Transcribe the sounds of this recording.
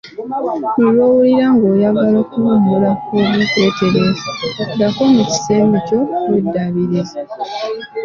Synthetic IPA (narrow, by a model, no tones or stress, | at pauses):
nilwoːwuliɾaŋɡo̞ːjaɡalo̞ːkumumulaoβite̞ːteɾezdakomuci̥se̞ːmico̞wedːaβiɾize